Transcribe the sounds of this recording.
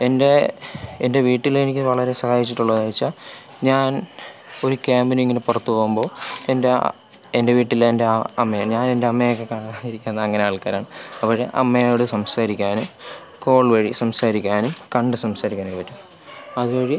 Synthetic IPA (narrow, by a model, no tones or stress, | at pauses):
e̞nde̞ende̞ʋiːʈːilenikʲːɨʋɐɭɐɾe̞sɐhaːjit͡ɕːiʈːuɭːɐðaːjit͡ɕːa | ɲaːn | o̞ɾukʲaːmbinɐmiŋːɐnepurɐt̪ːupoːɣumbo̞ːe̞nde | ende̞ʋiːʈːilende̞ɐɐmːɐjɲaːne̞nde̞ɐmːɐjokːe̞kaːɳaɣiɾikʲːunnːɐːŋːɐneaːɭkaːɾaːɳɨɐpːoʂḛʔɐ̰mːɐjoːɽɨsɐmsaːɾikʲːaːnum | ko̞ːɭʋɐɻisɐmsaːɾikʲːaːnumkɐɳɖɨsɐmsaːɾikʲːaːnepɐtːum | ɐðubɐɻi